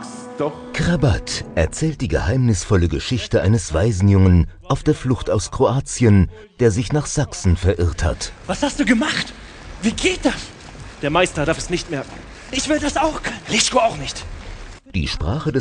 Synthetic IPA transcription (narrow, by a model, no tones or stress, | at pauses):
kʁabatʔɛɐt͡sɛːlt̚d̥iːɡəhaɪmnɪsfɔləɡəʃɪçtəʔaɪnəsv̥aɪzn̩jʊŋənʔaʊfd̥eːɐflʊxtaʊskʁ̥oaːt͡sjən | d̥eːɐzɪçnaːχz̥aksn̩fɛɐʔɪʁtha̰tvashast̚d̥uːɡəmaχt | v̥iːɡeːt̚d̥as | d̥eːɐmaɪstɐdaɐfɛsnɪçtmɛɐkŋ̩ | ʔɪçv̥ɪldasaʊxkʰœnəlɪskoaʊxnɪçt | d̥ḭːʃpʁ̥aːχədɛ